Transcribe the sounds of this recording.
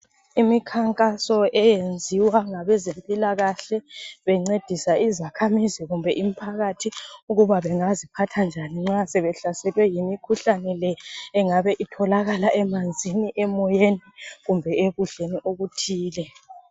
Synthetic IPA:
imikʰaŋkʼasɔɛjend͡zʱiwaŋaβɛzempʼilaɣaɬɛβɛŋ͡ǀed̥ʱisaizakʰamiziɣumbʱɛʔim̩pʰaɣatʰiuɣuβaβɛŋazipʰatʰand͡ʒʱaniŋ͡ǁasɛβɛɬasɛlwɛjimikʰuɬanɛlɛːŋaβɛʔitʰɔlaɣalaʔɛmand͡zʱiniʔɛmɔjenɛɣumbʱɛeɣuɬeniʔoɣutʰiːlɛ

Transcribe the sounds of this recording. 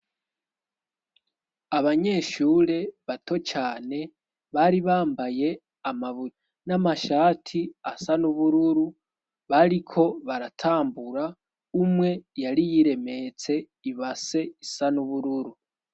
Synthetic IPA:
aβaɲe̞ːʃuːɾe̞βato̞t͡ʃaːne̞ | βaɾiβaːmbaje̞ | amaβu | namaʃaːtʰiasanuβuɾuɾu | βaɾikʰo̞βaɾatʰaːmbuɾa | umwe̞jaɾijiɾe̞me̞t͡se̞ | iβase̞isanuβuɾuɾu

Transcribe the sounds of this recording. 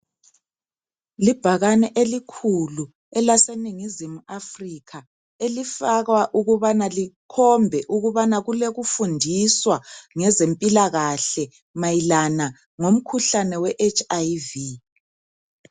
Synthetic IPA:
lib̥ʱaɣanɛʔelikʰulu | ɛlaseniŋizimuʔafrikʰa | elifaɣwaʔuɣuβanalikʰɔmbʱɛʔuɣuβanaɣuleɣufundʱiswaŋɛzempʼilaɣaɬɛ | majilana | ŋom̩kʰuɬanɛwɛʔet͡ʃʰʼajvi

